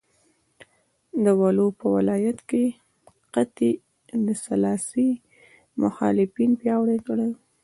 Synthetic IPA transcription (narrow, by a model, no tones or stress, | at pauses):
d̪əwalopəwɪlɑjat̪ke | qat̪i | d̪əsalɑsi | mʊ̰xɑ̰lɪfinpjɑwɽekəɽəj